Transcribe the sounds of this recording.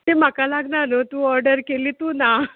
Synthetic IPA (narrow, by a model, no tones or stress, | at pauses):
tem̤akalaɡnanət̪ũːɔɾɖəɾkeliːt̪uːna